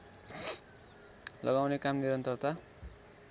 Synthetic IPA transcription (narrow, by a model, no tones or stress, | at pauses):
lʌɡawnekamniɾʌnt̪ʌrt̪a